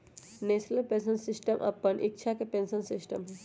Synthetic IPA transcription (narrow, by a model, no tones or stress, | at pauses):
nesnəlpẽnsənsisʈəmʔɐ̰pːənʔik̚t͡ʃʰakepẽnsənsisʈəmɦ